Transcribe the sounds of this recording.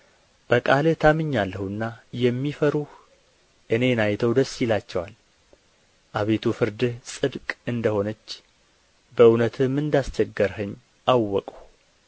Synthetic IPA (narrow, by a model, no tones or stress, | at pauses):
b̥əkʼalɨt̪ʰamɨɲːalːəhuɨnːajɛmːifəɾuh | ʔɨne̞najt̪ʰəwd̪əsːjɪlat͡ʃːɛwa̰l | ʔaβe̞t̪ʰufɨɾd̪ɨhsʼɨd̪kʼɨnd̪əho̞nət͡ʃː | bəɨwnət̪ʰɨmːɨnd̪ast͡ʃɛɡːəɾhəɲː | ʔawːɔkʼu